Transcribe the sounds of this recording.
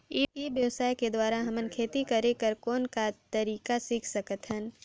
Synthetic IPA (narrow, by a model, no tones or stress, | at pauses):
iːʈibjəʋsaːjked̪waːɾaɦɐmənkʰeːt̪ikɐɾẽkəɾkɔːnkat̪əɾiːkasiːkʰsɐkət̪ɦən